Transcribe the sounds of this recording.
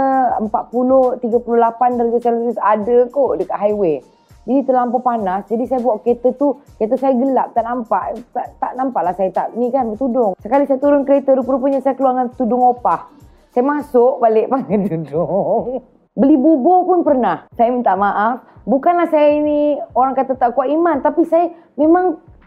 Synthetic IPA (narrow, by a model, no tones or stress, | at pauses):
əəmpaʔ̪̚puloht̪iɡapulolapandaɾad͡ʒasalat̪usadəkoʔdəkaʔ̪ɦajwe | d͡ʒinit̪əlampapanasd͡ʒadisajəbuwaʔket̪ət̪uket̪əsajaɡəlap̚t̪aʔnampaʔt̪aʔt̪aʔnampaʔlahsajat̪a̰ʔnikanbət̪udʊŋsəkalisajat̪uɾʊnkəɾet̪əɾupulup̬əɲasajakəluaŋant̪udʊŋopah | sajamasʊʔbaleʔpakat̪udʊŋ | bəlibubopʊnpərnahsajəmint̪aʔmaʔaf | bukanlahsajainioɾaŋkat̪at̪aʔkuaʔimant̪apisaja | memaŋ